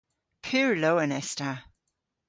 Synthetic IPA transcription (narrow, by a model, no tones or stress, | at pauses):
pʰʉːɹlowənɛsta